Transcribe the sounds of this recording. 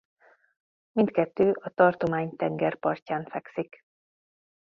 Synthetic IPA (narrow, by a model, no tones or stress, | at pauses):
mint̪kɛt̪ːøːʔɒt̪ɒrt̪o̞maːɲt̪ɛŋɡɛrpɒrcaːnfɛksik